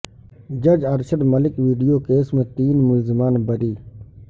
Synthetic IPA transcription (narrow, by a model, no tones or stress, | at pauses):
d͡ʒɐd͡ʒɐɾʃəɖməlɪkʋiːɖijoːkeːsmẽt̪iːnmʊlzɪmaːnbəɾiː